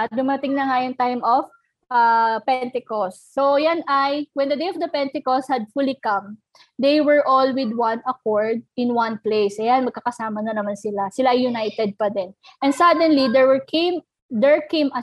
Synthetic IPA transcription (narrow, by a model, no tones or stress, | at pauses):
ɐt̚d̪ʊmɐt̪ɪŋnɐŋajʊŋt̪ajmof | ʔapɛnt̪ɛkosːojanʔɐjwɛ̃nd̪ɐd̪ejɔfd̪ɐpɛnt̪ɛkost̪hɐd̪̚fulikɐ̃m | d̪ejwɛɹʔolwɪd̪̚wɐ̃nɐkoɹd̪̚ɪ̃nwɐ̃nplejsʔɐjanmɐɡ̚kɐkɐsaːmɐnɐnɐmansɪlasɪlaʔɐjjːʊnajt̪ɛd̪̚pɐd̪ɛnʔɛ̃nsad̪ɛnlid̪ɛwɛɹkem | d̪ɛɹkejmɐ